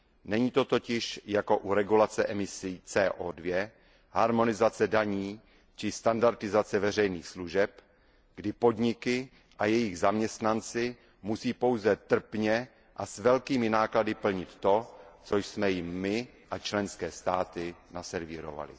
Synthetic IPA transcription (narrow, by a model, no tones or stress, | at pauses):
nɛɲiːt̪o̞t̪o̞cɪʃjako̞ʔuɾɛɡulat͡sɛʔɛmɪsiːt͡sɛːʔoːdvjɛ | ɦaɾmo̞nɪzat͡sɛdaɲiː | t͡ʃɪst̪andaɾt̪ɪzat͡sɛvɛr̝ɛjniːxsluʒɛp | ɡ̥dɪpo̞dɲɪkɪ | ʔajɛjɪɣzamɲɛst̪nant͡sɪ | musiːpo̞wzɛt̪r̩pɲɛ | ʔasvɛlkiːmɪnaːkladɪpl̩ɲɪt̪ːo̞t͡so̞jsmɛjɪmːɪ | ʔat͡ʃlɛnskɛːst̪aːt̪ɪnasɛɾvɪɾo̰va̰lɪ̰